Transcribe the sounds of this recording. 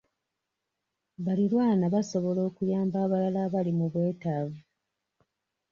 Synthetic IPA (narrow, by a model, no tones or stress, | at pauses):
βalilwaːnaβaso̞βo̞lo̞ːkujaːmbaːβalalaβalimuβwe̞ːtavu